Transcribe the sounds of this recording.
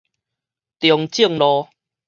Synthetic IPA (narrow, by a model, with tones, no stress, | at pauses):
t̪jɔ˨˩ŋt͡ɕi˥˩˨ŋlɔ˧